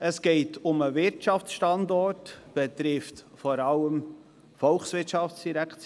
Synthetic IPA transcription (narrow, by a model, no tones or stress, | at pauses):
əsɡ̥ɛɪtʰʊməvɪɾtʃɑft͡sʃtɑndɔrtb̥ɛt̪ɾɪftfɔɾɑləm | fɔlxsvɪtʃɑft͡sd̥iɾækt͡s